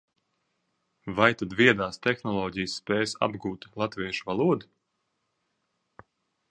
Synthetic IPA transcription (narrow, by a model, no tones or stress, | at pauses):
vajt̪ad̪viɛd̪aːst̪ɛxnɔlˠɔːɟijsːpɛːjsa̰bɡuːt̪lˠat̪viɛʃuvalˠuɔd̪u